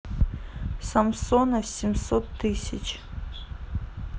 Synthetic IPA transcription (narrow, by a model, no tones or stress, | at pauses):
samsonɐsʲimsot̪ʰːɨsʲɐt͡ʃʰ